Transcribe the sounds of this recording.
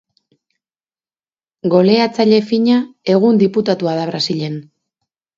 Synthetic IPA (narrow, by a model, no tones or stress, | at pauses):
ɡo̞le̞at͡saʎe̞fiɲae̞ɣ̞und̪iput̪at̪uaðaβ̞ɾasiʎe̞n